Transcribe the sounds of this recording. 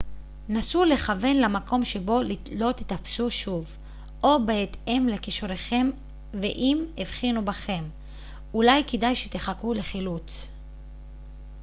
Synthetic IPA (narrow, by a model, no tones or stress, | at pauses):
nasule̞χave̞nlamako̞mʃebo̞lilo̞t̪it̪apsuʃuv | ʔo̞beet̪e̞mlekiʃuʁeχe̞m | veʔimivχinubaχe̞m | ulajkedajʃet̪eχakule̞χilut͡s